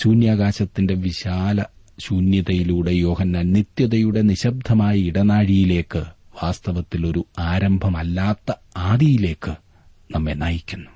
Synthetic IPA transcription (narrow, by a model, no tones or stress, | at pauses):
ɕuːnjaːɡaːɕɐt̪ːinde̞ʋiɕaːlɐ | ɕuːnjɐðɐjiluːɽe̞jo̞ːhɐnːanːit̪jɐðɐjuɽe̞niɕɐb̚d̪ʱɐmaːjɐiɽɐnaːɻijile̞ːkːɨʋaːst̪ɐʋɐt̪ːilo̞ɾuaːɾɐmbʱɐmɐlːaːt̪ːɐ | aːðijile̞ːkːɨ | nɐmːenaːjikʲːunːu